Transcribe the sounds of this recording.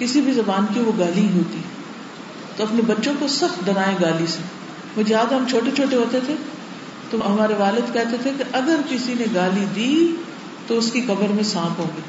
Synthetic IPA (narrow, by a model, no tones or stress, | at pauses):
kɪsibʱizɐbaːnkiʋoɡaːlĩɦoːt̪i | t̪oɐpnebɐtːʃõkosɐb̚d̪ɐɾaːẽɡaːlise | mʊd͡ʒʱejaːd̪ɦɐmt͡ʃʰoːʈet͡ʃʰoːʈeɦoːt̪et̪ʰe | t̪oɦɐmaːɾeʋaːlɪd̪kɛɦt̪et̪ʰekeʔɐɡəɾkɪsineɡaːlid̪iː | t̪oʊskikɐbəɾmẽsãːpɦõːɡeː